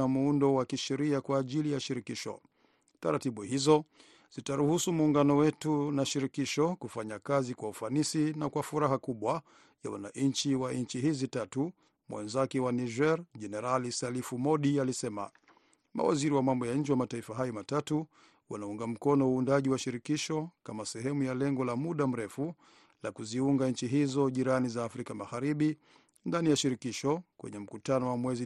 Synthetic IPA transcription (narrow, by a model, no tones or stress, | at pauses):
amuundɔwakiʃɛɾiakwaːʄilijaʃiɾikiʃɔ̰ | taɾatiɓuhizɔ | z̥itaɾuhusumuːŋɡanɔwɛtunaʃiɾikiʃɔkufaɲakazikwaufanisinakwafuɾaɦakuɓwa | ja̰wa̰na̰ʔɲt͡ʃiwaiɲt͡ʃiɦizitatu | mwɛ̰nzakɛwaniʒɛɾʄɛnɛɾalisalifumɔɗialisɛma̰ | ma̰wa̰ziɾiwamambɔjaɲ̩d͡ʒiwamataifaɦajɔmatatu | wa̰nauŋɡam̩kɔnɔuːndaʄiwaʃiɾikiʃɔkamasɛɦɛmujalɛŋɡɔlamuɗam̩ɾɛfu | lakuziuŋɡaɲ̩t͡ʃiɦizɔʄiɾanizaːfɾikamaɣaɾiɓi | ndanijaʃiɾikiʃɔkwɛ̰ɲɛm̩kutanɔwamwɛzi